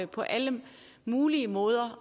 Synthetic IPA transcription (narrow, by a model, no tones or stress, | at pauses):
pʰɒ̽ʔælə | muːliəmɔ̽ːð̞ˠɐ